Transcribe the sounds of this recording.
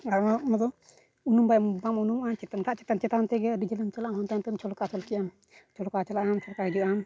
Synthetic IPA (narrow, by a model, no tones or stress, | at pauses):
aɾmaʔmɔd̪ɔ | unumbajmbamunumat͡ʃɛt̪anɾʰaʔt͡ʃɛt̪ant͡ʃɛt̪ant̪ɛɡɛdid͡ʒələmt͡ʃalaʔamhɔnt̪amt̪ɛmt͡ʃʰɔlkat͡ʃɔlkɛjʔam | t͡ʃʰɔlkat͡ʃalaʔamt͡ʃʰɔlkahɛd͡ʒuʔam